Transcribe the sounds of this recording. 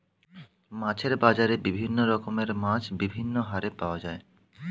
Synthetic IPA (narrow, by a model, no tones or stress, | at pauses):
mãt͡ɕʰeɾbad͡ʑaɾebibʱinːoɾɔkomeɾmãt͡ɕʰbibʱinːoɦaɾepaoad͡ʑae